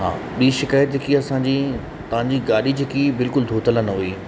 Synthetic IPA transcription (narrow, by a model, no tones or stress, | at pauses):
ɦã̰ːɓiːʃɪkaːjət̪ɦɪkiɐsã̆ːd͡ʑiː | t̪ɐʋ̤ãɲd͡ʑiːɡaːɗid͡ʑɪkibɪlkʊld̪ʱoːt̪ələnɐɦuiː